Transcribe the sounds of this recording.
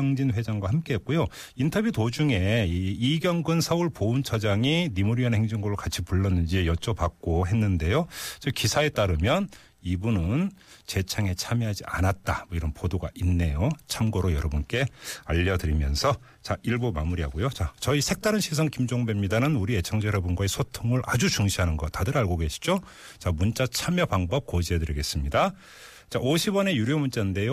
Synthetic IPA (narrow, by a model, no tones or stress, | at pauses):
ʌŋd͡ʑinɸwe̞d͡ʑaŋɡwahamk͈e̞ɦet̚k͈ojo | intʰʌbjutod͡ʑuŋe̞iɡjʌŋɡɯnsʰʌuɭpount͡ɕʰʌd͡ʑaŋinimuɾiʌnhe̞ŋd͡ʑiŋɡoɾɯɭkat͡ɕʰipuɭːʌnːɯnd͡ʑiejʌt͡ɕ͈ʌpak̚k͈oɦe̞nːɯnde̞jot͡ɕʌkisʰae̞t͈aɾɯmjʌn | ibunɯnt͡ɕe̞t͡ɕʰaŋe̞t͡ɕʰamjiɦad͡ʑia̰nat̚t͈amʌiɾʌnpodoɡaʔinːe̞jot͡ɕʰamɡʌɾojʌɾʌbunk͈e̞aʎːʌdɯɾimjʌ̰nsʰʌ | t͡ɕaiɭbomamuɾiɦaɡojot͡ɕat͡ɕʌisʰe̞k̚t͈aɾɯnɕʰisʰʌŋkimd͡ʑoŋbe̞mɲidanɯnuɾie̞t͡ɕʰaŋd͡ʑeɾʌbunɡwaesʰotʰɯŋɯɭʔad͡ʑut͡ɕuŋɕʰiɦanɯnɡʌtadɯɾaɭɡoɡe̞ɕʰi̥d͡ʑo | t͡ɕamunt͡ɕ͈at͡ɕʰamjʌpaŋbʌp̚k͈od͡ʑiedɯɾiɡe̞s͈ɯmɲida | t͡ɕaʔoɕʰibʌne̞juɾjomunt͡ɕ͈annde̞jo